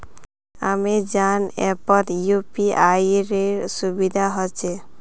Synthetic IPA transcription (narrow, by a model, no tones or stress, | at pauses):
amed͡ʑanɛpɔt̪jupiajɾeɾsubid̪ʱaɦɔt͡ʃʰe